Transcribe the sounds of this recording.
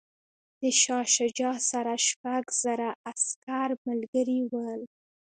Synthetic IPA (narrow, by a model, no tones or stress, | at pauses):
d̪̥əʃɑʃad͡ʒɑsaɾaʃpaɡz̥aɾaaskaɾmalɡəɾiwəl